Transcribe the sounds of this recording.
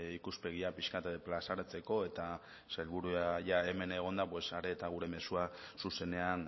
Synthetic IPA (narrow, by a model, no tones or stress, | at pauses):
ikuspe̞ɣ̞iapiʃkat̪plasaɾat͡se̞ko̞e̞t̪a | sajlβuɾuaʝae̞me̞ne̞ɣ̞o̞nd̪apwesaɾe̞ːt̪aɣ̞uɾe̞me̞suasuse̞ne̞an